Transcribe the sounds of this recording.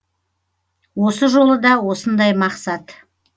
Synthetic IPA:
wo̞səʒo̞lˠəd̪ɑwo̞sənd̪ɑjmɑqsɑt̪

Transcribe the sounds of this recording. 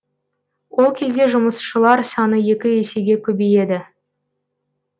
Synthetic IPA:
wo̞lˠkʲʰe̞zd̪e̞ʒʊməsʃəlˠɑɾsɑnəje̞kʲɪese̞ɡʲe̞kʲʰɵbeje̞d̪ɪ

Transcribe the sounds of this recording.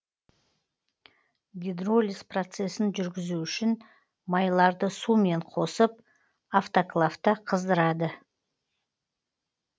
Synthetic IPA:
ɡʲid̪rolʲisprot̪se̞sɪnʒʏɾɡʲɪzuʏʃɪn | mɑjlˠɑɾd̪əsume̞ɴqʰo̞səp̚ | aft̪oklˠaft̪ːəqʰəzd̪əɾɑd̪ə

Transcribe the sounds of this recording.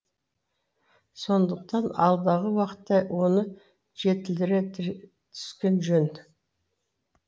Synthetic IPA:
so̞nd̪əq̚t̪ɑnɑlˠd̪ɑʁəwɑqə̥t̪ːɑwʔo̞nə | ʒ̥e̞t̪ɪld̪ɪɾe | t̪ʰʏ̥skʲe̞nʒɵn

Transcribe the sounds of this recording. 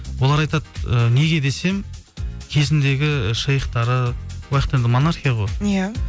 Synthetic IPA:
wolˠɑɾɑjt̪ɑt̪̚əne̞ɡʲe̞d̪e̞se̞m | kʲʰe̞zɪnd̪e̞ɡʲɪʃɑjəqt̪ɑɾəwɑqət̪end̪ɪmo̞naɾχʲijaʁo̞jja

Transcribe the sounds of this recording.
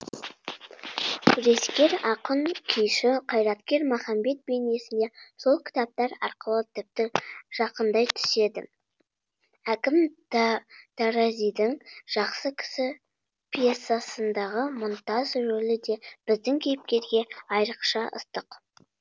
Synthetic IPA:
kʲʰʏɾe̞skʲe̞ɾɑqəɴkʲʰejʃɪqʰɑjɾɑt̪kʲe̞ɾmɑχɑmbe̞t̪̚be̞ne̞sɪnd̪e̞solˠkʲʰɪ̥t̪ɑp̚t̪ɑɾɑ̰ɾqəlˠət̪ʰɪp̚t̪ɪʒ̥ɑqənd̪ɑjt̪ʰʏ̥se̞d̪ɪ̰ | ækʲɪm | t̪ʰɑɾɑzijd̪ɪŋʒ̥ɑqsəkʲʰɪ̥sɪ | pʰijesːasənd̪ɑʁəmʊnt̪ɑzʒɵlɪd̪e̞b̥ɪzd̪ɪŋkʲʰejɪp̚kʲe̞ɾɡʲe̞ɑjɾəqʃɑʔə̰st̪əq

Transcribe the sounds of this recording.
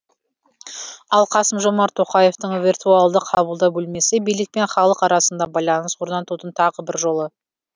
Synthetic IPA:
ɑlˠqʰɑsəmʒo̞mɑɾt̪ʰo̞qɑje̞ft̪əɴvʲirt̪ualˠd̪əqʰɑbəlˠd̪ɑbɵlme̞sɪbijlɪk̚pe̞ɴχɑlˠəqɑɾɑsənd̪ɑbɑjlˠɑnəswoɾd̪ɑnt̪ut̪ənt̪ʰɑʁəbɪɾʒo̞lˠə

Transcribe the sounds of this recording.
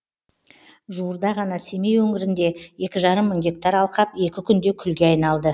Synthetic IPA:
ʒuəɾd̪ɑʁɑnɑse̞me̞jwɵŋɪɾɪnd̪e̞je̞kʲɪʒɑɾəmːəɴɡʲe̞k̚t̪ɑɾɑlˠqɑpe̞kʲɪkʲʰʏnd̪e̞kʲʰʏlɡʲe̞ɑjnɑlˠd̪ə

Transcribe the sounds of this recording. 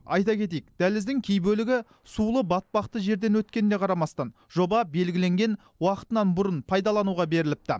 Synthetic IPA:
ɑjt̪ɑkʲʰe̞t̪̬ejɪk̚d̪̥ælɪzd̪ɪŋkʲʰejbɵlɪɡʲɪ | sulˠəbɑt̪̚pɑqt̪əʒe̞ɾd̪e̞nwɵt̪̚kʲe̞nɪne̞qʰɑɾɑmɑst̪ɑn | ʒo̞bɑbe̞lɡʲɪle̞ŋɡʲe̞n | wɑqə̥t̪ənɑnbʊɾənpʰɑjd̪ɑlˠɑnuʁɑbe̞ɾɪlɪp̚t̪ɪ̰

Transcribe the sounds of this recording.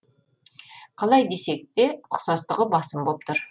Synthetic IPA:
qʰɑlˠɑjd̪e̞se̞kt̪e̞qʰʊ̥sɑst̪əʁəbɑsəmbolˠp̚t̪ʰʊɾ

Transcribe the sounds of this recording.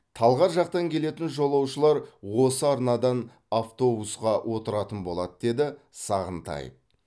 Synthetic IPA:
t̪ʰɑlˠʁɑɾʒɑq̚t̪ɑŋkʲʰe̞le̞t̪ɪnʒo̞lˠɑwʃəlˠɑɾwo̞səɑɾnɑd̪ɑn | aft̪o̞busqɑwʔo̞t̪əɾɑt̪ənbo̞lˠɑd̪əd̪e̞d̪ɪ | sɑʁənt̪ʰɑ̰jə̰p̚

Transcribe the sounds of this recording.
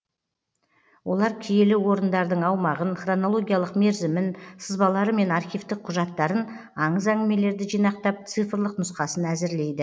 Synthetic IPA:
wʔo̞lˠɑɾkʲʰije̞lɪwo̞ɾənd̪ɑɾd̪əɴɑwmɑʁənχro̞no̞lˠo̞ɡʲijalˠəqme̞ɾzɪmɪnsəzbɑlˠɑɾəme̞nɑɾχʲijft̪ɪk̚qʰːʊʒɑt̪ːɑɾən | ɑɴəzæŋɡɪme̞le̞ɾd̪ɪʒijnɑq̚t̪ɑp̚t̪sɨjfrlˠəqnʊsqɑsənæzɪɾle̞jd̪ɪ

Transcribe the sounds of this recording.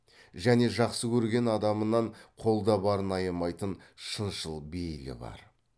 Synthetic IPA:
ʒæne̞ʒɑqsəkʲʰɵɾɡʲe̞nɑd̪ɑmənɑɴqʰo̞lˠd̪ɑbɑɾənɑjəmɑjt̪ənʃənʃəlˠbe̞jlɪ̰bɑ̰ɾ

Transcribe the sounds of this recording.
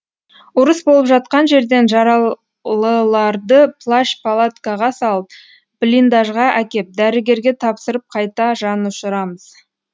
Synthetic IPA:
ʊɾəsbo̞lˠəpʒɑt̪̚qɑnʒe̞ɾd̪e̞nʒɑɾɑ | lˠəlˠɑɾd̪əplˠaʃpalˠat̪kaʁɑsɑlˠəp̚ | b̥lʲind̪aʒʁɑʔækʲe̞p̚d̪æɾɪɡʲe̞ɾɡʲe̞t̪ʰɑpsəɾəp̚qʰɑjt̪ɑʒɑnʊʃəɾɑməz̥

